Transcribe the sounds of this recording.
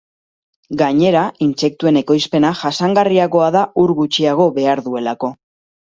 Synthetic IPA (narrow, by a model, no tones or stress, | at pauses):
ɡaɲe̞ɾainse̞k̚t̪ue̞ne̞ko̞jspe̞naʝasaŋɡariako̞aðauɾɣut͡ʃiaɣ̞o̞βe̞aɾðue̞lako̞